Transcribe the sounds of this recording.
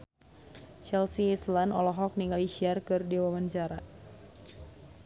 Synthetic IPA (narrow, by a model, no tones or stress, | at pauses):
t͡ʃɛlsiːslandɔlɔɦɔk̚niŋɡaliʃiarkɨrdiwamaɲt͡ʃaɾa